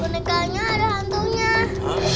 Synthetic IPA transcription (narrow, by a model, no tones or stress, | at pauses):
onẽkaɲãɾahand̪uɲã